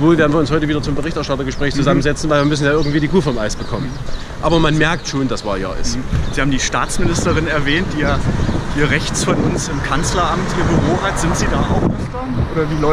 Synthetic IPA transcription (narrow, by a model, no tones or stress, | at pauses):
voːlveːɐdn̩viːɐʊnshɔʏtəviːdɐt͡sʊmbəʁɪçtɛɐʃtatɐɡəʃpʁ̥ɛːçt͡suzamənzɛt͡sn̩vaɪviːɐmʏs̬n̩jaːʔɪɐɡŋ̩tv̥iːdiːkʰuːfɐɪmʔa̰ɪsb̥əkʰɔmən | ʔaːbɐmanmɛɐk̚tʃoːndasv̥aːja̰ːʔɪ̰stz̥iːhaːbm̩diːʃta̰ːt͡smɪnɪstəʁɪnɛɐvɛːnt̚d̥iːjaːiːɐʁɛçt͡sfɔnʊnsɪmkʰant͡slɐʔamtʔiːɐbyʁoːhatz̥ɪntz̥iːdaːʔa̰ʊxʔɛftɐʔoːɾɐviːlɔ